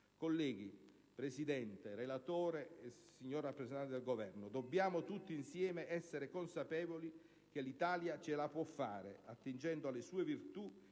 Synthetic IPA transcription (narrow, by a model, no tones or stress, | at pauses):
kolːɛːɡ̟i | pɾesid̪ɛnt̪eɾelat̪oːɾesiɲːorrapːɾesent̪ant̪d̪elɡovɛrnʊd̪obːjaːmʊt̪ut̪ːiinsjɛːmeɛsːeɾekonsapɛːvoli | k̟elːit̪aːljat͡ʃelapwɔfːa̰ːɾḛat̪ːind͡ʒɛnd̪oalːesuːevirt̪u